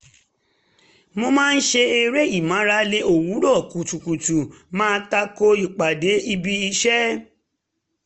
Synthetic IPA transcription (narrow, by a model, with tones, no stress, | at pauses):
mo˧mãː˦˧n̩˦ʃe˧e˧ɾe˦i˦˨mã˨˦ɾa˧˦le˧˦o˨wu˨˦ɾɔ˦˨ku˨tu˨ku˨tu˨mãː˦˧˦ta˧ko˦i˨k͡pa˨de˨˦i˧bi˧i˧ʃɛ˦